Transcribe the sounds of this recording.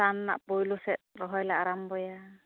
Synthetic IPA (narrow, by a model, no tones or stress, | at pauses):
anːa̰ʔpojlusɛt̪̚ɾɔɦɔjlaʔaɾambɔja